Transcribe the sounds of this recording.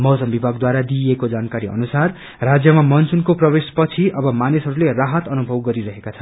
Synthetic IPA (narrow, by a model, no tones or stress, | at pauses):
mʌsʌmbibʱaɡd̪waɾad̪iekod͡zankaɾiʌ̰nusar | rad͡zjʌmamʌnt͡sunkoprʌbespʌt͡sʰiʔʌbʌmanesɦʌɾuleraɦʌt̪ʌnubʱʌwɡʌɾiɾʌɦekat͡sʰʌ̥